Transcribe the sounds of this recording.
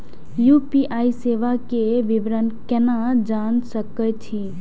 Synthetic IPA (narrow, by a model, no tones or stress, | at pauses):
jupiʔaiseʋakeʋibɾənkenad͡ʒansəkət͡ʃʰi